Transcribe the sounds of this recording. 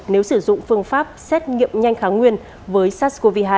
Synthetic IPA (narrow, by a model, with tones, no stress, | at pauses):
ne˨˦wsɨ˧˩zʊ̰˧˨ŋ͡mfɨ˧əŋfaː˦˥p̚sɛ˦˥t̚ŋḭ˧˨əmɲa˧jŋ̟xaː˨˦ŋwi˧ən | vəː˨˦jsaː˦˥sko˧vi˧ɦaː˧